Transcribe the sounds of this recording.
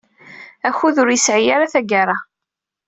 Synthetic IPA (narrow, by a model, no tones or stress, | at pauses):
æçuðʊɾjəsʕijaɾaθæɡaɾˤa